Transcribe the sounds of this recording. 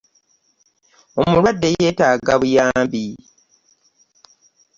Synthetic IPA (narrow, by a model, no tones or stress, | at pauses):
o̞mulwadːe̞je̞ːtaːɡaβujaːmbi